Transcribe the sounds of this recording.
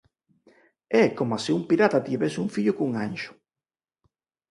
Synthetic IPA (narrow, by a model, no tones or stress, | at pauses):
ɛkomasiumpiɾat̪at̪iβɛsuŋfiʎʊkuŋanʃʊ̥